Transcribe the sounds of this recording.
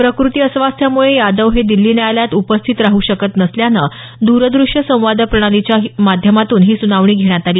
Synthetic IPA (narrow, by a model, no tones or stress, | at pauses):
pɾəkɾut̪iːəsʋast̪ʰjamuɭejad̪əʋɦed̪ilːiːnəaljat̪upəst̪ʰit̪ɾaɦuːɕəkət̪nəsljanə | d̪uɾəd̪ɾuʂjəsə̃w̃ʋad̪əpɾəɽ̃alit͡ɕjaɦmad̪ʱjəmat̪uːnɦiːsunaʋɳ̃iːɡʱeɽ̃jat̪aliː